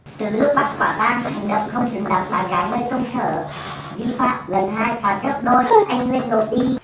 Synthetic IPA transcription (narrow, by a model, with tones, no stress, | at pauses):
t̪ɨ˨˩nɨ˦˥ək̚ɓa˨˩t̚ka̰ː˧˩ɓaː˧nha˨˩jŋ̟ɗə˨˩wŋ͡m̚xə˧wŋ͡mzɨ˨˩˦ŋɗa̰˨˩p̚ɓaː˨˩nɣaː˨˦jŋəː˧jkə˧wŋ͡msə̰ː˧˩ | ɗi˧fa̰ː˧˨mɣə˨˩nɦaː˧jfaː˨˦nzə˦˥t̚ɗo˧jʔa˧jŋ̟ŋwi˧ənɗo˨˩t̚ɗ̪i˧